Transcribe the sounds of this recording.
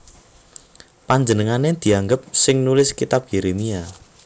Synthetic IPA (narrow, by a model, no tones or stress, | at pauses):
paɲd͡ʒənəŋaned̪̥i̤aŋɡəp̚sɪŋnulɪskit̪ap̚jeɾemia